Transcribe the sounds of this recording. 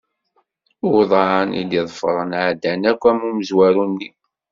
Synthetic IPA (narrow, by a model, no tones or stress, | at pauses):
ʊðˤɑʕnḭd̪iðˤfəɾˤənʕd̪ːænækʷːæmuməzwæɾunːi